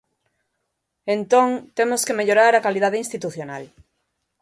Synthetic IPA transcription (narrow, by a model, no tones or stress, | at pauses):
ẽnt̪õŋt̪emoskemeʎoɾaɾakalið̞aðeinst̪it̪uθjona̰l